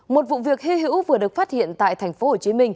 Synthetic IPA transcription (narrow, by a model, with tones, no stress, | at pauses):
mo˨˩t̚vṵ˧˨vi˨˩ək̚hi˧ɦḭ˧˥wvɨ˨˩əɗɨ˨˩ək̚faː˦˥t̚hḭ˧˨ənt̪a̰ː˧˨jt̪ʰɛ˨˩jŋ̟fo˨˦ho˨˩t͡ɕi˨˧˦mï˧ŋ̟